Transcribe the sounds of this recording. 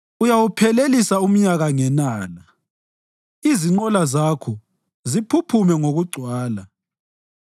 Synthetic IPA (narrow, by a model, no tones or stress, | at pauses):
ujawupʰɛlelisaum̩ɲaɣaŋɛnaːla | iziŋ͡ǃɔlazakʰɔ | zipʰupʰumɛŋoɣuɡ͡ǀʱwaːla